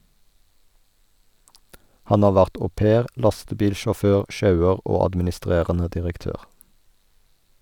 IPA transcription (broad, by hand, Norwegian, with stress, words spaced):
ˈhɑn ˈɑː ˈʋæʁt oːˈpeːʁ ˈlɑstəˌbiːlʃɔˌføːʁ ˈʃɑʉəʁ ˈoː ɑdmɪnɪˈstʁeːʁənə dɪʁəkˈtøːʁ